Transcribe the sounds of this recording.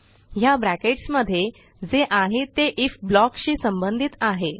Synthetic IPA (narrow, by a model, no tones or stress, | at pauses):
jabɾækeʈsməd̪ʱːje | d͡zeʔaɦet̪eʔifblɔkɕiːsəmbənd̪ʱit̪aɦe